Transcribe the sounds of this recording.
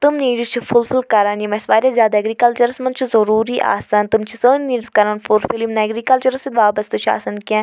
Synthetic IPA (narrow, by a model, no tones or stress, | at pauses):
t̪umniːɖzt͡ʃʰifʊlfɪlkɐɾaːnjimɛ̃sʋaːɾjazʲjaːd̪aɐɡɾiːkɐlt͡ʃɐɾɐsmɐnt͡ʃʰizɐɾuːɾiːʔa̰ːsaːnt̪umt͡ʃʰisəːnniːɖskɐɾaːnfulfilimnaɡɾiːkɐlt͡ʃɐɾsid̪ʋaːbɐst̪ɨt͡ʃʰa̰ːsaːnkãː